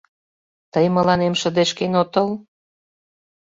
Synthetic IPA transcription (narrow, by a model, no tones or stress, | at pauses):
t̪əjmə̆lɑnemʃə̆d̪eʃkenot̪ɤl